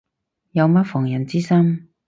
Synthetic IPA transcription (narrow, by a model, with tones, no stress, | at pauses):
jɐ˨˧wmɐ˥t̚fɔː˨˩ŋjɐ˨˩nt͡siː˥sɐ˥m